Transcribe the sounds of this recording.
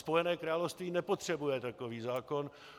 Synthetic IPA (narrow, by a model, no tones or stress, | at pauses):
spojɛnɛːkɾaːlofst̪viːnɛpot̪r̝̥ɛbujɛt̪akoviːzaːkon